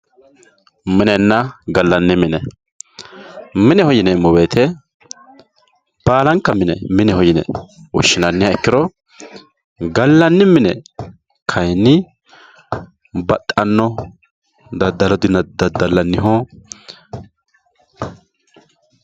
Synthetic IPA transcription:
mɪnɛnːɐɡɐlːɐnːɪmɪnɛ | mɪnɛhɔjɪnɛmɔbeːt̪ʰɛ | b̥aːlɐŋkːɐmɪnɛ̰mɪnɛhɔjɪnɛ̰wɔ̰ʃːɪnɐnːɪjɐɛkːɪɾɔ | ɡɐlːɐnːɪmɪnɛ | kʰɐjnːɪ | bɐt̪ʼːɐnːɔ | d̪ɐd̪ɐlɔd̪ɪnɐd̪ɐd̪ɐlːɐnːɪɦɔ

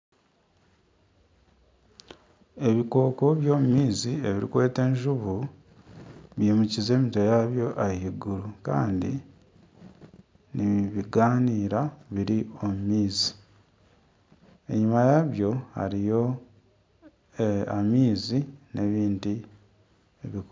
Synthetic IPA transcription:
e̞βiko̞ːko̞βjo̞ːmumiːzieβiɾḭkwe̞ːte̞ːɲʒuβu | βjeːmucize̞ːmito̞jaβjo̞ʔajiɡuɾuka̰ːndḭ | niβiɡaːniːɾaβiɾio̞mumiːzi̥ | e̞̰ɲumajaβjo̞ha̰ɾijo̞ | a̰miːzinʔe̞βiːndi | eβik

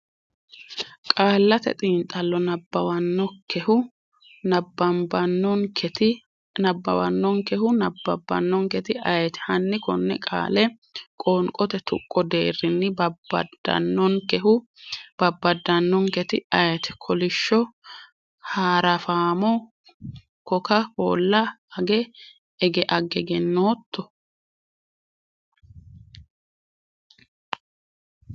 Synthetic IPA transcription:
kʼaːlːɐt̪ɛ̰t̪ʼiːnt̪ʼɐlːɔnɐbɐwɐnːɔkɛhʊ | ɐbɐmbɐnːɔŋkʰt̪ | nɐbːɐ̰wɐ̰nːɔŋkɛhʊnɐbɐbːɐ̰nːɔŋkɛt̪ɪɐjɛt̪ɛ̥hɐnːɪkɔnːɛkʼa̰ːlɛ | kʼɔːŋkʼɔt̪ɛt̪ʰʊ̰kʼːɔd̪ḛːrːɪnːɪbɐbɐdɐ̰nːɔŋkɛhʊ | b̥ɐbːɐd̪ːɐnːɔŋkɛt̪ɪɐjɛt̪ɛ̥kʰɔlɪʃːɔ | haːɾɐfaːmɔ | kɔkɐho̰ːlːɐɐɡɛ | ɛɡɛʔɐɡɛɡɛnːoːt̪ʰːɔ

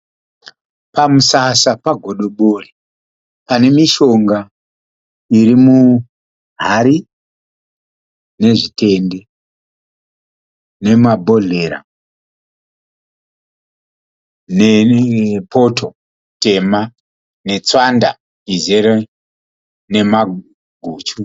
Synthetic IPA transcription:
pamusasapaɡʱo̞ɗo̞ɓori | pane̞miʃo̞ŋɡa | iɾimu | ɦaɾi | ne̞ʐite̞nde̞ | ne̞mabʱo̞ɮe̞ɾa̰ | ne | pʰo̞tʰo̞ | te̞ma | ne̞t͡swanda̰ | izeɾe | ne̞ma | ɡʱuːt͡ʃu

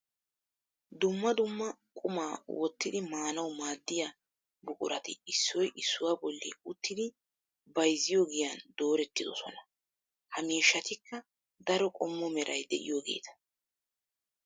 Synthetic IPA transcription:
d̪ʊmːɐd̪ʊmːɐkʼʊmaːwɔt̪ːɪd̪ɪmaːnɐwmaːd̪ːɪja | bʊkʼʊ̰ɾɐt̪ɪɪsːɔjʔɪsːʊwaːbɔlːḭʊt̪ːɪd̪ɪ | bɐjzɪjoːɡɪjand̪o̞ːɾɛt̪ːɪd̪ɔsɔ̰nɐ | hɐmeːʃːɐt̪ɪkːɐ | d̪ɐɾɔkʼɔmːɔmɛɾʔɐjd̪ɛ̰ʔɪ̰joːɡḛːt̪ɐ̥

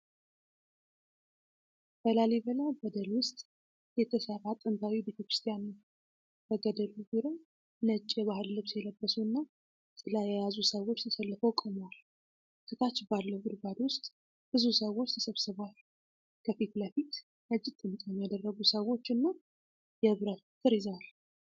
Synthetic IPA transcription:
b̥əlaliβəlabəd̪əlwʊst̪ʼ | jɛt̪ʰəsəɾat̪ʼɨnt̪ʰawibe̞t̪ʰəkɾɨ̥st̪ʰijanɨ | b̥əɡəd̪əluɡuɾə | nət͡ʃʼːjɛβahɨlːɨβsjɛləbːəsuɨnːa | sʼɨlajɛjazusəwo̞t͡ʃːt̪ʰəsəlːɨfəwkʼəmwal | sɨt̪ʰat͡ʃːbalːəɡɨd̪bad̪wʊst̪ʼ | b̥ɨzusəwo̞t͡ʃːt̪ʰə̥səβsɨβʷal | kʰəfit̪ləfit̪ | nəd͡ʒːɪt̪ʼːɨnt̪ʼjɛmjad̪ərːəɡusəwo̞t͡ʃːɨnːa | jɛɨβɾət̪̚t̪ʰɨɾizal

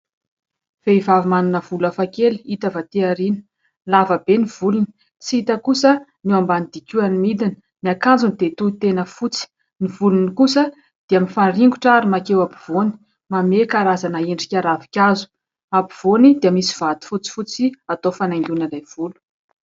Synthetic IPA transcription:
v̥eivavimanunəvulafakelit̪avat̪iaɾinə̥ | lavəbeniv̥uluni | t͡siit̪əkusəniambanid̪̥ikʲuanimid̪inə̥ | niakand͡zunid̪et̪uit̪enəfut͡si̥ | nivulunikusə | d̪̥eaminfaɳɖ͡ʐiŋɡuʈ͡ʂaɾimakewabi̥v̥oni̥ | mamekaɾazanaeɳɖ͡ʐikʲaɾavikʲazu̥ | abiv̥onid̪eamisiv̥at̪i̥fut͡si̥fut͡siat̪ofanajŋɡʲunalajv̥ulu̥

